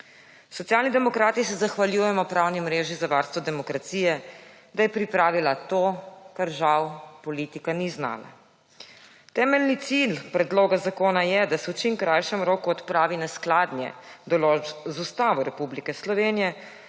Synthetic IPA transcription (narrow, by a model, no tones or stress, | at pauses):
sɔt̪jaːlnid̪ɛmɔkɾaːt̪isɛzaxʋaljuːjɛmɔpɾawnimɾeːʒizaʋaɾst̪ʋɔd̪ɛmɔkɾat̪siːjɛ | d̪ajɛpɾipɾaːʋilat̪oːkaɾʒawpɔlit̪ikanizna̰ːla̰ | t̪ɛːmɛlnit̪silpɾɛd̪loːɡazakoːnajɛd̪asɛwt͡ʃimkɾajʃɛmɾoːkuɔt̪pɾaːʋinasklaːd̪njɛ̰d̪ɔlozust̪aːʋɔɾɛpublikɛslɔʋeːnijɛ